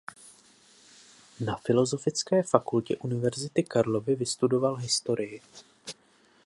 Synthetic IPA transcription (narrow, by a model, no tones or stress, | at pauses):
nafɪlo̞zo̞fɪt͡skɛːfakulcɛ̰ʔunɪvɛɾzɪt̪ɪkaɾlo̞vɪvɪst̪udo̞valɦɪst̪o̞ɾɪjɪ